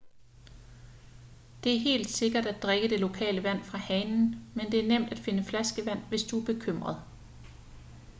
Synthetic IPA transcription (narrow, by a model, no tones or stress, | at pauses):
d̥e̝æɐɦe̝̰ːld̥se̝ɡ̥ɐɾ̥æd̥d̥ʁeɡ̥əd̥e̝lo̝kʰɛ̰ːləʋæn̰fʁɑ̈hɛnn̩mend̥e̝æɐnem̰d̥æd̥fe̝nəflæsɡ̥əʋæn̰ʋe̝sd̥uæɐb̥e̝kʰøm̰ʁɐð̞̩ˠ